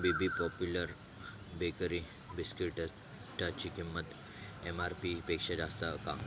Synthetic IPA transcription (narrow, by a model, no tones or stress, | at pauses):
bibipɔpjuləɾ | bekəɾi | biskɾiʈ | ʈat͡ɕikimːət̪ | emaɾpipekʂed͡ʑast̪aka̰